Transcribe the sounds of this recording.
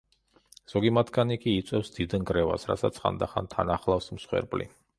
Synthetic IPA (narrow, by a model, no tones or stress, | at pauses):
z̥ɔɡimat̪ʰɡanikʼiːt̪sʼwɛfsd̪id̪nɡɾɛva̰sɾa̰t̪sa̰t̪sʰχa̰nd̪aχa̰nt̪ʰanaχlˠafsmsχwɛ̰ɾpʼlḭ